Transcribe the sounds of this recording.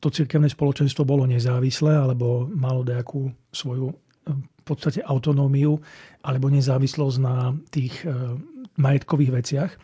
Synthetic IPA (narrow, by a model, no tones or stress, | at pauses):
t̪ɔt͡siɾkɛʊnɛːspɔlɔt͡ʃɛnst̪ʋɔbɔlɔɲɛzaːʋislɛːalɛbɔmalɔɲɛakʰuː | sʋɔju | pɔt̪st̪acɛʔaʊt̪ɔnɔːmiuʔalɛbɔɲɛzaːʋislɔzɟnat̪iːx | majɛt̪kɔʋiːɣʋɛt͡sɪax